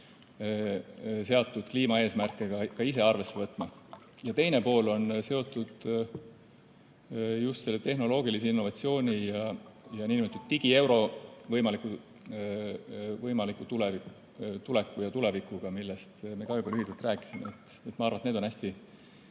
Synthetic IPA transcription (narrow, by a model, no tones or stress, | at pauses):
se̞ɑt̪ːˑud̪̥kliːmɑe̞ːsmærkːˑeɡ̥ɑkɑise̞ɑrve̞sːe̞vɤt̪ːˑmɑ | jɑt̪ejne̞po̞ːlo̞nse̞o̞t̪ːˑud̪̥ | just̪se̞lːet̪e̞ɦno̞lo̞ːɡ̥iliseinːo̞vɑt̪sio̞ːnʲijɑjɑniːnmet̪ːud̪̚t̪iɡ̥ie̞wɾo̞vɤjmɑlikːu | vɤjmɑlikːˑut̪ulevi | t̪ule̞kːˑujɑt̪ule̞vikuɡ̥ɑmilːest̪me̞kɑojbɑlyɦit̪ːelt̪ræːkːˑi̥simeet̪ːˑ | et̪mɑɑrvɑnt̪ned̪onæsʲt̪i